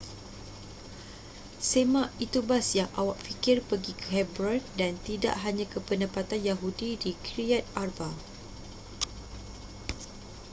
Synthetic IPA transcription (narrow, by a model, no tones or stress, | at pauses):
semãʔit̪ubasjaŋʔa̰waʔfikɪrpəɡikəɦɛbɾadant̪ida̰ʔɦaɲãkəpənəpat̪anjaɦudidikɾiat̪̚arba